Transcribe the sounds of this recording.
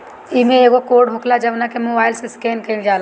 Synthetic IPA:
imẽeːɡokoːɾɖɦʊkʰlad͡ʒɐbnakemoːbaːɪlseskeːnkɐind͡ʒaːla

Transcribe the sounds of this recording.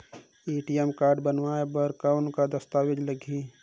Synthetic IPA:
iːʈijɛmkaːɾɖbənʋaːebɐɾkawnkad̪ɐst̪aːʋed͡ʒləɡʱiː

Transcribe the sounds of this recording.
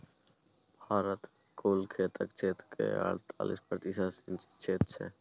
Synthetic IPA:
b̥ʱaːɾət̪ | koːlkʰeːt̪ʰəkt͡ʃʰeːt̪kʰḛa̰ːɽt̪ʰa̰ːlḭspɾət̪isasɪnt͡ʃt͡ʃʰeːt̪sḛː

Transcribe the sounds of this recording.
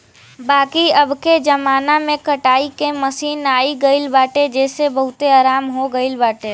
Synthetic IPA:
baːkiəbked͡ʒəmaːnamẽkəʈaːikeməsiːnaːiɡəɪlbaːʈed͡ʒeːsebəɦʊt̪eaːɾaːmɦoɡəɪlbaːʈe

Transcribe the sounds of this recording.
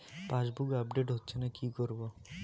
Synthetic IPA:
pãd͡ʑbuɡab̚ɖeʈɦotːɕʰenakikoɾbo

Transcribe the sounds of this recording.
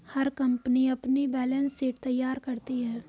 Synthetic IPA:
hɐɾkɐ̃mpniɐpnibɛːlə̃nsːeːʈt̪ɐjːaːɾkɐɾt̪iɦɛː

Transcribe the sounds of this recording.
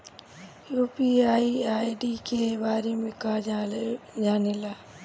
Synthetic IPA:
juːpiːaːiaːiɖiːkʰeːʋaːɾiːmɪkaː | d͡ʒaːnilaː

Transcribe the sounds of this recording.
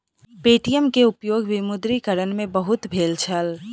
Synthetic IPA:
peːʈijəmkeʊpjoːɡʋɪmʊd̪ɾikəɾənmẽbəɦʊt̪bʱeːlt͡ʃʰəl

